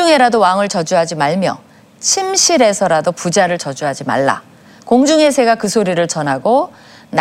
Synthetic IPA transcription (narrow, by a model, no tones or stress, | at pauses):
uŋe̞ɾadowaŋɯɭt͡ɕʌd͡ʑuɦad͡ʑimaɭmjʌ̰ | t͡ɕʰimɕʰiɾe̞sʰʌɾadopud͡ʑaɾɯɭt͡ɕʌd͡ʑuɦad͡ʑima̰ɭːa̰ | koŋd͡ʑuŋe̞sʰe̞ɡakɯsʰoɾiɾɯɭt͡ɕʌnɦaɡo | n